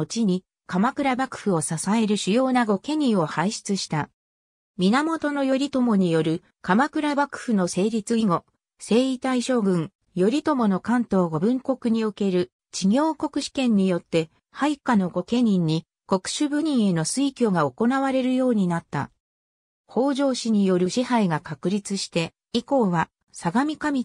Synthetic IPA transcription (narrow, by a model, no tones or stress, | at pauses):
ot͡ɕiɲ̟i | kamakɯ̟ɾabakɯ̟̥ɸɯ̟o̞sasae̞ɾɯ̟ɕɨjo̞ːnaɡo̞ke̞ɲ̟ĩɰ̃o̞haiɕi̥t͡sɨɕi̥t̪a | mʲinamo̞t̪o̞no̞jo̞ɾʲit̪o̞mo̞ɲ̟ijo̞ɾɯ̟ | kamakɯ̟ɾabakɯ̟̥ɸɯno̞se̞ːɾʲit͡sɨiŋo̞ | se̞ːit̪aiɕo̞ːɡɯ̟̃ŋ | jo̞ɾʲit̪o̞mo̞no̞kãnt̪o̞ːɡo̞bɯ̟̃ŋko̞kɯ̟ɲ̟ioke̞ɾɯ̟ | t͡ɕiɡʲo̞ːko̞kɯ̟ɕi̥kẽ̞ɲ̟ːijo̞t̪ːe̞ | haikano̞ɡo̞ke̞ɲ̟ĩɲ̟ːi | ko̞kɯ̟̥ɕɨbɯ̟ɲ̟ĩɰ̃e̞no̞sɨikʲo̞ɡao̞ko̞naβaɾe̞ɾɯ̟jo̞ːɲ̟inat̪ːa̰ | ho̞ːʑo̞ːɕiɲ̟ijo̞ɾɯ̟ɕihaiɡakakɯ̟ɾʲit͡sɨɕi̥t̪e̞ | iko̞ːβa | saɡamʲikamʲi